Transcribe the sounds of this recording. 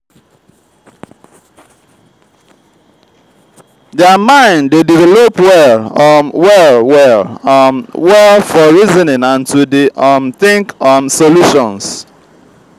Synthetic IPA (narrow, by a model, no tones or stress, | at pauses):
dɛmãɪ̃ndedivɛlopwɛlwɛlwɛlmwɛlfɔɹizɔnɪ̃ŋãntʰudiʔmθɪ̃ŋkɔmsoluʃɔ̰̃ns